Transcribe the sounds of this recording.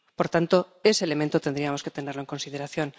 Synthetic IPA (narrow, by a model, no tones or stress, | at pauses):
po̞ɾt̪ant̪o̞e̞sele̞mẽ̞nt̪ot̪e̞nd̪ɾiamo̞ske̞t̪e̞ne̞ɾloeŋko̞nsið̞e̞ɾaθjo̞n